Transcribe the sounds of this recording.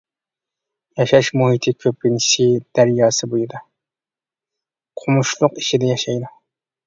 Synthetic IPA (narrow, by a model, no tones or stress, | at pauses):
jɑʃɑʃmuɦit̪ʰɪkʲʰøpːini̥ʃid̪̥æɾjɑːsɨbojid̪ɑ | qʰʊmuʃlˠʊqiʃid̪ɛjɑʃɑjd̪u